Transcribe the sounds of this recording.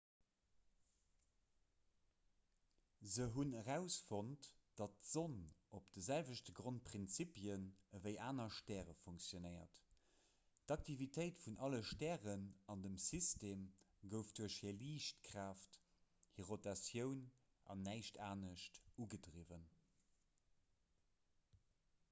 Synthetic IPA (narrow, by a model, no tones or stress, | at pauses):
zəɦunəʁæʊsfontd̥ɑt̚z̥onʔopd̥əzælvəʃtəɡʁont̚pʁint͡sipjənəvəɪʔaːnɐʃtɛːʁəfuŋksjonɜɪɐ̰t | d̥ɑk̚tʰivitʰəɪtfunʔɑləʃtɛːʁənɑndəmsisteːm | ɡəʊfd̥uɐʃhiːɐliːʃtkʁ̥aːft | hiʁotɑsjəʊn | ʔɑ̰nːæɪʃtʰaːnəʃtuɡədʀivən